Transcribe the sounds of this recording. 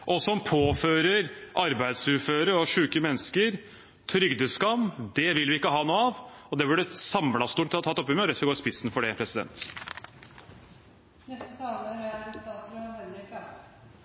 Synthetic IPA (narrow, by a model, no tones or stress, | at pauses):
ʔɔsɔmpʰoːføːɾəɾʔɑɾbæɪd̪sʉɾføːɾəɾɔʂʉːkəmɛnːskəɾ | t̪ʰɾʏɡd̪əskɑmːd̪ɛʋɪlʋɪɪkːəɦɑːnuːɑʋɔd̪ɛbʉɖəsɑmlɑst̪uːʈ̪ːɪɑt̪ʰɑt̪ːɔpːɪmɛɔlɛt̪fəɾɡoːspɪsːnfɔɖɛpʰɾɛsɪd̪ɛ̰nt̪ | nɛst̪ət̪ʰɑːɡəɑæɛnst̪ɑːt̪sɾøɛlɪpɑ